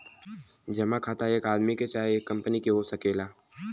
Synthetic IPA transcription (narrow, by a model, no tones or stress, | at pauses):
d͡ʒɐmakʰaːt̪aeːkaːd̪miket͡ʃaːɦeeːkːɐ̃mpənikiɦosɐkeːlaː